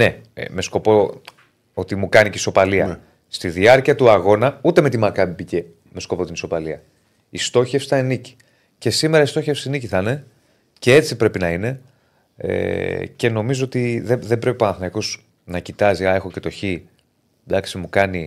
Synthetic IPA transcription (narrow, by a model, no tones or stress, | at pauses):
ne̞me̞sko̞po̞ | o̞t̪imukɐniciso̞pɐliɐ̰ | st̪iðiɐɾciɐt̪uɐɣo̞nɐut̪e̞me̞t̪imɐkɐbipice | me̞sko̞po̞t̪inso̞pɐliɐ | ist̪o̞çefsi̥θɐenici̥ | ce̞sime̞ɾɐist̪oçefsiniciθɐne̞ | ce̞e̞t͡sipɾe̞pinɐine̞ | ḛce̞no̞mizoot̪iðeðe̞bɾe̞pipɐnɐθnɐko̞s | nɐcit̪ɐziɐe̞xo̞ce̞t̪o̞çi | d̪ɐksimukɐni